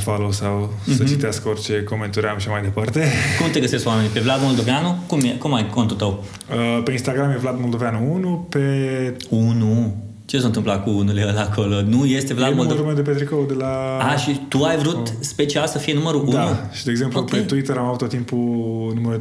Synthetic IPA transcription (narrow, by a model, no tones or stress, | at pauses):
falowsaw | sət͡ʃit̪easkəort͡ʃe̞koment̪oɾeamʃʃamajd̪e̞part̪ekumt̪e̞ɡəse̞stk̪wame̞nʲipe̞vlad̪mo̞ld̪oveanukumekumajko̞nt̪ut̪əw | əpe̞inst̪aɡɾamjevlad̪mold̪oveanuunupeunu | t͡ʃes̬ont̪ɨmplakuunuleəlakʰolonuje̞st̪evlad̪moloɾumed̪epet̪ɾikowd̪elaaʃit̪uajvɾutspe̞t͡ʃialsəfijenuməɾuʔʔuanuʃid̪eːɡzempupet̪uit̪eɾamavut̪ːot̪ːimpunuməɾu